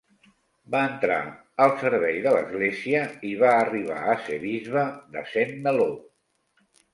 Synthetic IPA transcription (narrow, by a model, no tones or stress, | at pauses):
baənt̪ɾa̰ | əlˠsəɾβɛjðələ̰zɣleziəiβaːriβ̞a̰əseβizβəðə̰semːəlo